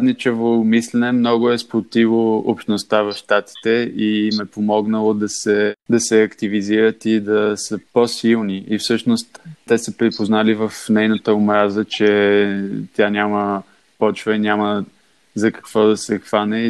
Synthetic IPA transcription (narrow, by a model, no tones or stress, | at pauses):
d̪nit͡ʃɛvomislɛnɛmnɔɡʊɛspɾot̪ivˠoopʃt̪nost̪avɐfʃt̪at̪i̥t̪ɛimɛpomɔɡnəlˠod̪ɐsɛd̪ɐsɛɐkt̪iviziɾət̪id̪ɐsəposilˠniʔifsɤʃnost̪ːɛsəpɾipoznalivəfnɛjnət̪əʊmɾazət͡ʃɛ | t̪ʲjanʲamə | pɔt͡ʃvəinʲamə | zɐkə̥kv̥ɔd̪ɐsɛxvanɛ